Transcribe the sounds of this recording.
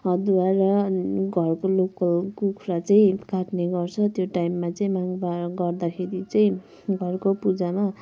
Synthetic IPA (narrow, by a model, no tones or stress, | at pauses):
ʌd̪uarʌɡʱʌrkolokʌlkokʰuɾat͡saĩkaʈneɡʌrt͡sʰʌt̪joʈajmːat͡saĩmaŋbaɡʌrd̪akʰeɾit͡saĩ | ɡʱʌrkopud͡zama